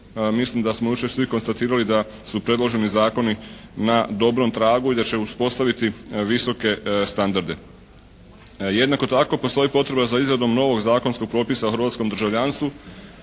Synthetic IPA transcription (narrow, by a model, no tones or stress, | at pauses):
mislimd̪asmojut͡ʃesʋiko̞nst̪at̪iːɾalid̪a | supɾe̞d̪lˠo̞ʒe̞nizaːko̞ninad̪o̞bɾo̞mt̪ɾaːɡuid̪at͡ɕe̞uspo̞st̪aʋit̪iʋiso̞ke̞st̪and̪aɾd̪e̞ | je̞d̪nako̞t̪ako̞post̪o̞ipo̞t̪ɾe̞bazaizɾad̪o̞mno̞ʋo̞ɡzaːkonsko̞ɡ̚pɾo̞ːpisaoxɾʋaːt̪sko̞md̪ɾ̩ʒaʋʎanst̪ʋu